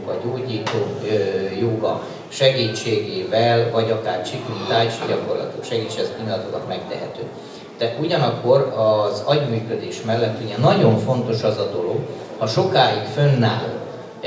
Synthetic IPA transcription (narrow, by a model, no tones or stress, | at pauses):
ɒɟoːɟiːt̪oːjoɡɒ | ʃɛɡiːt͡ʃːeːɡeːvɛlvɒɟɒkaːrt͡ʃikynt̪aːt͡ʃiɟɒko̞rlɒ̰t̪okʃɛɡiːt͡ʃːɛskinlɒt̪okɒt̪mɛkt̪ɛ̰ɦɛt̪øː | t̪ɛuɟɒnɒkːo̞rɒzɒɟmyːkø̞d̪eːʃmɛlːɛt̪ːeːɲɛnɒɟo̞ɱfo̞nt̪o̞ʃɒzɒd̪o̞lo̞ɡhɒʃo̞kaːjikfønːaːl